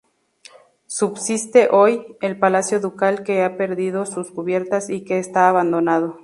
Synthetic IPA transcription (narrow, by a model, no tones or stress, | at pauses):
subsist̪e̞ʔojelpalasjoðukalkeape̞ɾðið̞osuskuβje̞ɾt̪asikeːst̪aːβand̪onað̞o